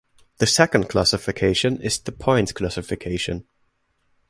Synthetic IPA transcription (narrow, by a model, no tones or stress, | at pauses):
ðəsɛkə̃nkʰl̥asɪfɪkʰeɪʃə̃nɪz̥ðəpʰãɪ̃ntz̥kʰl̥asɪfɪkʰeɪʃə̃n